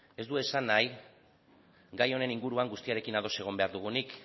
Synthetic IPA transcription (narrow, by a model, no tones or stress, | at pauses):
e̞zd̪ue̞sanːaj | ɡajo̞ne̞niŋɡuɾuaŋɡust̪iaɾe̞kinaðo̞se̞ɣ̞o̞mbeaɾðuɣ̞unik